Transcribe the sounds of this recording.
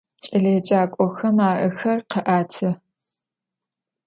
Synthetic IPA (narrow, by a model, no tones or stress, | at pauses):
t͡ʃʼɐɮeːt͡ʃʼaːkʷʼɔxɐmaːʔɨxɐrqəʔaːtʰɨ